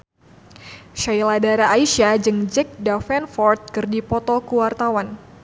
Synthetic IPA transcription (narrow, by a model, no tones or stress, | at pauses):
ʃajladaɾaʔːiʃiad͡ʒɨŋd͡ʒɛk̚dafɛnfɔrt̪̚kɨrdipɔt̪ɔkuwart̪awan